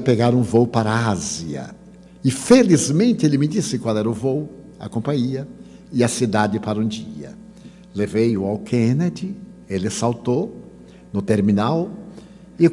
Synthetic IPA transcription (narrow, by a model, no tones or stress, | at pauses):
peɡaɾũvowpaɾɐaziɐ̰ | ɪfelizmẽnt̪ɪelɪmɪdisɪkwalɛɾɐʊvow | ɐ̰kõpɐ̃ɲiɐ | ɪɐsid̪ad̪ɪpaɾɐũd͡ʒiɐ̰ | levejʊawkʰẽned̪ɪ | elɪsawt̪o | nʊt̪eɾminaw | ɪ